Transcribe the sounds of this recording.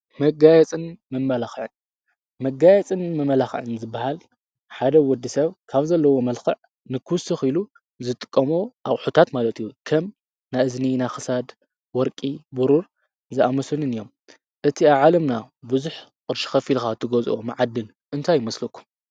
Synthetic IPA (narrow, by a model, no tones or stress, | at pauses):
mɐɡajɛt͡sʼɨnmɨmːɐlaxʕɨn | mɐɡajɛt͡sʼɨnmɨmɐlaxʕɨnzɨbːahal | ħad̪ɐwɔd̪ːisɐβkʰaβzɐlːɐwo̞mɐlxɐʕ | nɨkʰuwsɨxilu | zɨt̪ʼɨ̥kʼːɐmoʔaʔʼħut̪ʰat̪malɐt̪ʰijukʰɐm | naɨzninajxɨsad̪ | wɔɾkʼibuɾuɾ | zɨʔamɐsɨnɨnɨjːo̞m | ʔɨt̪ʰiaβʕalɐmnabɨzuħqʼɨɾʃi̥xɐfilxat̪ʰːɨɡozʔomɨʕad̪ːɨl | ʔɨnt̪ʰajːɪmɐslukʰːu̥m